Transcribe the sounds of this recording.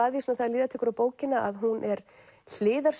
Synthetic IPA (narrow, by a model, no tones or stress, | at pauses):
aːðjsnawθaðliːðat̪ʰɛːkʏɾawpoːwcɪnaʔaðɦunʔɛɾ | l̥ɪːðaɾ̥s